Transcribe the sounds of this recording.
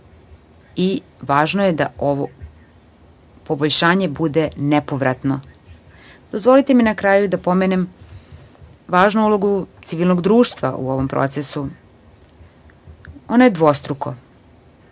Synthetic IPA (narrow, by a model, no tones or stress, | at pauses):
iʋaːʒnojed̪aoʋo | po̞boʎʃaːɲe̞bud̪e̞nepo̞ʋɾat̪no̞ | d̪̥o̞zʋo̞lit̪eminakɾaːjud̪apo̞menem | ʋaːʒnuulˠo̞ɡut̪siʋilˠno̞ɡd̪ɾuːʃt̪ʋa̰ʔṵo̞ʋo̞mpɾo̰t̪sesu | onojed̪ʋo̞st̪ɾuko̞